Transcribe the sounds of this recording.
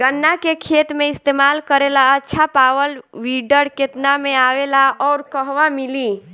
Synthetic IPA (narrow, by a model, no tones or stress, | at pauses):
ɡənːakekʰet̪mẽist̪emalkəɾelaətːʃʰapaʋəlʋiɖəɾket̪nameaʋelaɔːɾkəɦʋamili